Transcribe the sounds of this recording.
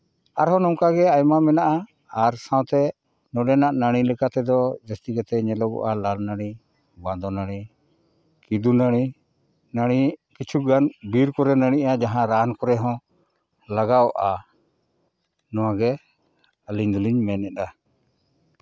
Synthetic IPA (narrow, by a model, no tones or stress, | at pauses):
aɾɦɔ̃nɔmkaɡɛajmamɛnaʔaː | ɾsãwt̪ɛ | nɔɖɛnaʔnaɽ̃ilɛkat̪ɛd̪ɔd͡ʒast̪iɡɛt̪ɛɲɛlɔɡɔ̰ʔalalnaɽ̃i | bãd̪ɔnaɽ̃i | kid̪unaɽ̃i | naɽ̃ikit͡ʃʰuɡanbiɾkɔɾɛnaɽ̃iʔad͡ʒaɦãɾankɔɾɛɦɔ̃ | laɡawʔa | nɔ̃waɡɛ | əliɲd̪uliɲmɛnɛɗa